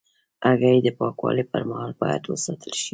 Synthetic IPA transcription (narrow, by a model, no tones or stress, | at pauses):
aɣajd̪əpɑkwɑ̰lipəɾmahɑlbɑja̰d̪wəsɑt̪ʰəlʃi